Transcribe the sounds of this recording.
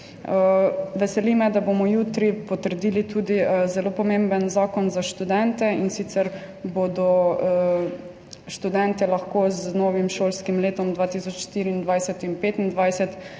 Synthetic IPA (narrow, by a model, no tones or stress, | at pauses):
əʋɛsɛlimɛd̪abomɔjuːt̪ɾipɔt̪əɾd̪iːlit̪uːd̪izɛloːpɔmembənzaːkɔnzaʃt̪ud̪ɛnt̪ɛinsit̪sɛɾ | bod̪ɔ | ʃt̪ud̪ɛnt̪ɛlaxkoznɔːʋimʃoːlskimleːt̪ɔmd̪ʋaːt̪isɔt͡ʃʃt̪iːɾiːnd̪ʋajsɛt̪inpeːt̪ind̪ʋajsɛt̪